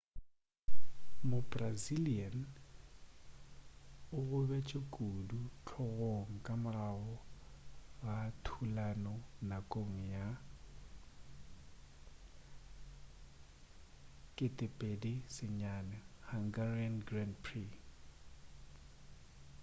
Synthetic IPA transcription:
mʊbʼrazilian | ʊɣʊbɛt͡ʃʼekʼudut͡ɬʰɔɣoŋ̩kʼamʊraɣɔ | ɣatʰulanɔnakʼoŋ̩ja | kʼɪtʼɪpʼedisɪɲanahaŋɡarianɡranpʰri

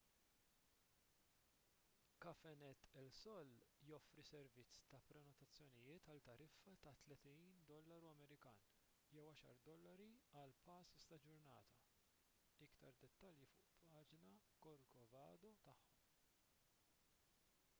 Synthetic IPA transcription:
kɐfɛnɛt̪ːɛlsɔlːjɔfɾisɛɾvɪt͡sːt̪ɐpɾɛnɔt̪ɐt͡sːjɔnɪjɪːt̪ɐlt̪ːɐɾɪfːɐt̪ɐt̪lɛt̪iːnd̪ɔlːɐɾuɐmɛɾɪkɐːn | jɛwɐʃɐ̰ɾd̪ɔlːɐɾiɐlpɐːsɪst̪ɐd͡ʒʊɾnɐːt̪ɐ | ɪkt̪ɐɾd̪ɛt̪ːɐljifʊʔpʰɐːd͡ʒnɐkɔɾkɔvɐːd̪ɔt̪ɐħːɔm

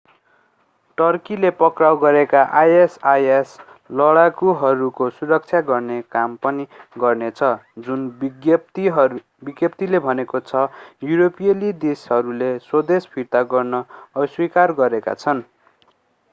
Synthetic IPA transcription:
ʈʌrkilepʌkrawɡʌɾekaʔajesajes | lʌɽakuɦʌɾukosuɾʌk̚t͡sʰjaɡʌrnekampʌniɡʌrnet͡sʰʌd͡zunɡjt̪iɦ | biɡjʌp̚t̪ilebʱʌnekot͡sʰʌjuɾopijʌlid̪esɦʌɾuleswʌd̪espʰirt̪aɡʌrnʌʌswikarɡʌɾeka̰t͡sʰʌn

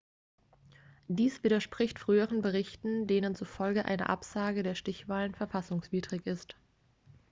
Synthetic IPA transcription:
d̥iːsv̥iːɾɐʃpʁ̥ɪçtfʁ̥yːəʁənbəʁ̞ɪçtn̩deːnənt͡sufɔlɡəʔa̰ɪnə̰ʔa̰pz̥aːɡədeːɐʃtɪçv̥aːlənfɛɐfasʊŋsv̥iːdʁɪçɪst

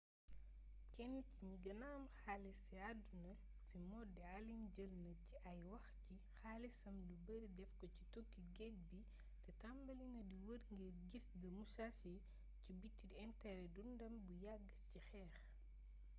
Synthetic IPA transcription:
kɛnːiciɲiɡɐnaːmxalɛsiadunɐ | simɔdːɛalinɟəlnɐciʔɐjwɐxci | xaːlisɐmlubəɾidɛfkɔci̥tokːiɡɛt̚bi | tɛtambɐliŋɡɐdiwəɾŋɡiɾɡisɡɐmusasi | cibitːidɛntɛɾɛdundɐmbujaɡːəcixɛːx

